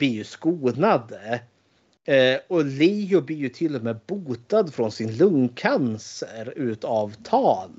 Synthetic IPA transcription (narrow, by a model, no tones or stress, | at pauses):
b̪ɪjɵskuːnad̪ə | ɔliːjʊblɪjɵt̪ʰɪlːɔmeːbuːt̪ad̪fɾɔnsɪnlɵŋːkʰansəɾʉ̟ːt̪avt̪ʰɑːn